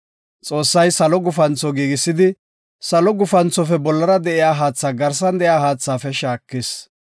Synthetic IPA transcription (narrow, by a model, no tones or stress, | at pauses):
t͡sʼo̞ːsːɐjsɐlɔɡʊfɐnt͡sːɔɡiːɡɪsːɪd̪ɪ | sɐlɔɡʊfɐnt͡sːɔfɛbɔlːɐɾɐd̪ɛʔɪjaːɦaːt͡sːaːɡɐɾs̬ɐnd̪ɛjaːhaːt͡sːaːfɛʃaːkːɪs